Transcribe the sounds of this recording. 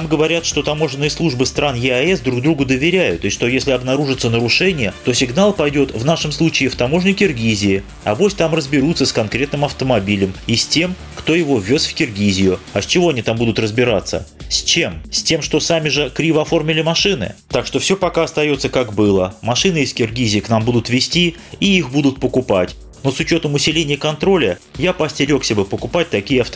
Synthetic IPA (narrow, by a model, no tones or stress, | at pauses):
namɡəvɐɾʲat̪ʂt̪o̞t̪ɐmo̞ʐɨnːɨjəslˠuʐbɨst̪ɾanjɪɐɛsd̪ɾuɡd̪ɾuɡʊd̪əvʲɪɾʲæjʊ̰t̪ʂt̪o̞jesʲlʲɪɐbnɐɾuʐɨt̪sənəɾʊʂɛnʲɪjət̪o̞sʲɪɡnalˠpɐjdʲo̞t̪vnaʂəmslˠut͡ɕɪɪft̪ɐmo̞ʐnʲɪkʲɪrɡʲizʲɪɪ | ɐ̰vosʲt̪amrəzbʲɪɾut̪səskɐnkɾʲe̞t̪nɨmɐft̪əmɐbʲilʲəmisʲtʲe̞m | kt̪o̞jɪvo̞vʲːo̞sfʲkʲɪrɡʲizʲɪjʊɐsʲt͡ɕɪvo̞ɐnʲit̪ambud̪ʊt̪rəzbʲɪɾat̪sːə̰sʲt͡ɕe̞msʲtʲe̞mʂt̪o̞samʲɪʐɨkɾʲivəɐfo̞rmʲɪlʲɪmɐʂɨnɨ̰t̪akʂt̪o̞fsʲopɐkaɐst̪ɐjo̞t̪səkakbɨlˠəmɐʂɨnɨɪskʲɪrɡʲizʲɪːknambud̪ʊt̪vʲɪsʲtʲi | iixbud̪ʊt̪̚pəkʊpatʲ | no̞sʊt͡ɕo̞t̪əmʊsʲɪlʲenʲɪjəkɐnt̪ɾo̞lʲə | japɐsʲtʲɪɾʲo̞ksʲəbɨpəkʊpat̚ʲt̪ɐkʲijəɐft̪